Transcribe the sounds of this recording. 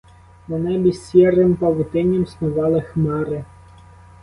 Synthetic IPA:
menɛbʲisːʲirɪmpɐʋʊt̪ɪnʲɐmsnʊʋɑlˠɪxmɑɾɪ

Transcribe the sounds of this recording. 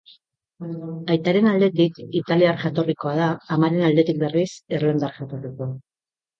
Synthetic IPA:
ajt̪aɾe̞nald̪e̞t̪ikit̪aliaɾʝat̪o̞riko̞að̞aːmaɾe̞nald̪e̞t̪ik̚be̞riserland̪aɾʝat̪o̞riko̞a

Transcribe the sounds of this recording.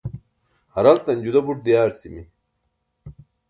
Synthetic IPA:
hɐɾɐlt̪ɐnʲd͡ʑud̪ɐbuʈ̚d̪ijaːɾt͡simi

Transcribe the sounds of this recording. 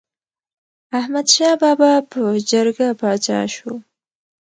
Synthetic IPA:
ahmad̪ʃɑbɑbɑpəd͡ʒəɾɡapɑt͡ʃɑ̰ʃu

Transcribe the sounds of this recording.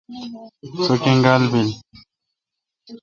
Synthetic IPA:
sokeŋɡalbin

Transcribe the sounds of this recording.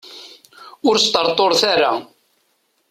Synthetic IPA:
ʊɾst̪əɾt̪ˤoɾˤθaɾa

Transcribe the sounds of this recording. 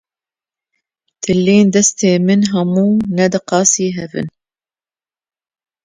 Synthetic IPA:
t̪ʰɨlːeːnd̪ɛst̪eːmɨnɦɐmuːnɛd̪ɨqɑːsiːɦɛvɨ̰n

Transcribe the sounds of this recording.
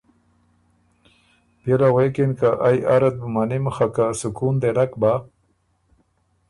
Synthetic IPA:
belawekinkaʔajaɾat̪̚bumanimxakasukund̪elakba

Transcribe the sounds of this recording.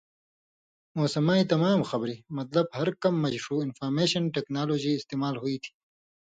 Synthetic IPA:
moːsɐmaːit̪ɐmaːmxɐbɾimɐt̪lɐb̚hɐɾkɐmːɐʑʂuːɪnfaːɾmeːʃɐnʈeːknaːloːd͡ʑiɪst̪eːmaːlɦuit̪ʰi̥

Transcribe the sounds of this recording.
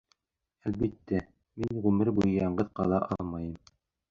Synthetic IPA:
ælbit̪ːæ | minʁʉmɘɾbujɤjɑɴɢɤðqɑlˠɑʔɑlˠmɑjɤm

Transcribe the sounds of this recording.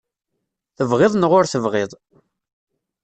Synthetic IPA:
θəvʁeðˤnʁʊɾθəvʁɪðˤ

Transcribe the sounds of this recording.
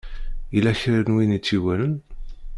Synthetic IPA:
ilæçɾiɾnwinit͡sːiwælən

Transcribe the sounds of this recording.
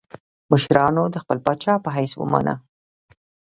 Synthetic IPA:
məʃɾɑnod̪əxpəlpɑt͡ʃɑpəɦajswə̰ma̰na̰

